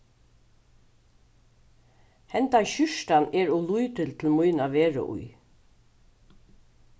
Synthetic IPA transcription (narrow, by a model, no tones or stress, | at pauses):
hɛnt̪anɕʏʂt̪anɛɹɔlujt̪əlt̪ʰɪlmujnaʋeːɹa̰ʔṵj